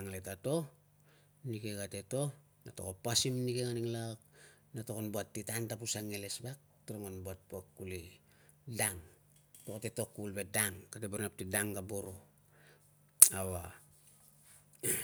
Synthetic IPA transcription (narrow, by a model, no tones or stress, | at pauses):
aŋletato̞ | nike̞ɡate̞to̞ | nato̰kopːasimnikeŋaniŋlak̚ | natokonboatːitantapusaŋele̞sbak̚ | tiɾaŋonbuat̚puakːuli | daŋ | tokate̞to̞kːulbe̞daŋkateboɾnap̚tidaŋɡaboɾo̞ | awa